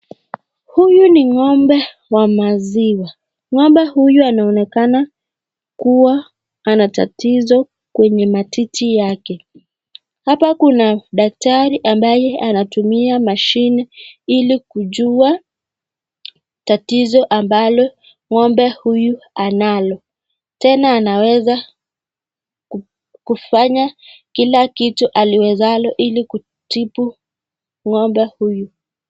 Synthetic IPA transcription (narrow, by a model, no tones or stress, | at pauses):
hujuniŋɔmbɛ | wamaziwa | ŋɔmbɛhujuanaɔnɛkana | kuwa | anata̰tizɔ | kwɛɲɛmatitʰijakɛ | hapakunaɗak̚taɾiʔambajɛanatumiamaʃinɛilikuʄua | tatizɔʔambalɔ | ŋɔmbɛhujuanalɔ | tɛnaːnawɛza | kufaɲakilakituʔaliwɛzalɔʔiliku | tipu | ŋɔmbɛhuju